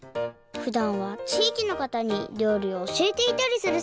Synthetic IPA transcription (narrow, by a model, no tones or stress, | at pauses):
ɸɯ̟d̪ãɰ̃βat͡ɕiːkʲino̞kat̪aɲ̟iɾʲjo̞ːɾʲio̞ːɕiet̪e̞it̪aɾʲisɨɾɯ̟